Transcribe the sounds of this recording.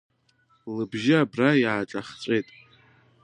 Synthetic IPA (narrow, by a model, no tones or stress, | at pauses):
lɨbʒɪabrajʕaʈ͡ʂʼaχt͡sʷʼejtʼ